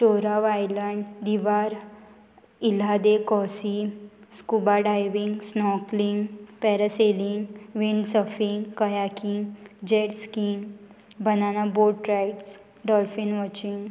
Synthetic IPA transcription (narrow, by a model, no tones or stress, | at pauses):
t͡ɕoɾaʋajləɳɖd̪iʋaɾ | ilad̪ekɔsiskubaɖajʋiŋɡsnɔkliŋɡpɛɾəseliŋɡʋiɳɖsəfiŋɡkəjakiŋɡd͡ʑɛʈskiːm | bənanaboʈɾajʈs | ɖɔlfinʋɔt͡ɕiŋɡ